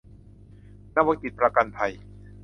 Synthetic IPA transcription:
naː˧˥˩wa˧˦ŋk̪i˨˩t̪̚pɾa˧ka˧npʰa˧j

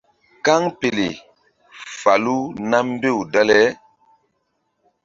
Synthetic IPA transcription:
ka˦ŋpe˨le˨ | fa˨lu˦na˦m˦be˦˨wda˦lɛ˦

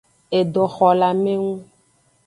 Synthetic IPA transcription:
e˨ɖɔ˨xɔ˨la˨me˦ŋũ˦

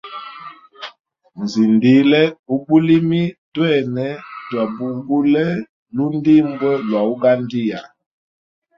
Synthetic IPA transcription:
n̩˨zi˨ndi˨˦lɛ˦u˦bu˦li˦mi˦twɛ˦˨nɛ˦twa˨bu˨bu˦lɛ˦ | lu˦n˦di˦˨mbɔ˦lwa˨u˦ɡa˦ndi˦ja˨

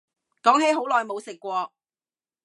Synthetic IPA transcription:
kɔː˨˥ŋɦe˨˥jɦo˨˥wlɔː˨jmo˨˧wsɪ˨kːʷɔː˧

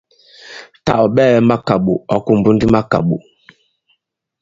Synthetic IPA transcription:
ta̰˦˨ʔɔ˨ɓɛ˦˨lɛ˦ma˦ka˨ɓu˨ɔ˨ku˨m˨bu˦ndi˦ma˦ka̰˨ɓṵ˨

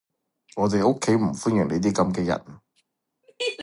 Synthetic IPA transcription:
ŋɔː˨˧t̪e˨jʔʊ˥kʰːe˨˥jm̩˨˩fuː˥njʏː˨˩ŋle˨˧jt̪̬iː˥kɐ˧mkɛː˧jɐ̰˨˩n

